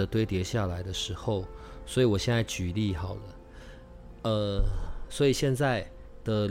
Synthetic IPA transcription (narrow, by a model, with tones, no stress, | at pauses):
ə˩t̪we˥˧ɪt̪jɛ˧˥ɕja˥˩la˧˥ɪd̪ə˧ʂɻ̩˧˥xo˥˧ʊswɔ˧˥i˨˩wɔ˨˩ɕjɛ˥˧nt͡sa˥˩ɪt͡ɕy˨˩li˥˩xɑ˨˩ʊlə˦ | ə˧swɔ˧˥i˨˩ɕjɛ˥˧nt͡sa˥˧ɪ | d̪̥ə˨